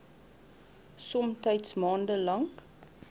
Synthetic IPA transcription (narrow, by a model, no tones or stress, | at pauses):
sɔmtəjtsmɑːndəlɐŋk